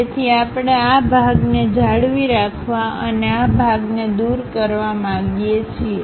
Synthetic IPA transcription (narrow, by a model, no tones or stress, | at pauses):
et̪ʰiapɳeabʱaɡned͡ʒaɽʋiɾakʰʋaəneabʱaɡned̪uɾkəɾʋamãɡijet͡ʃʰie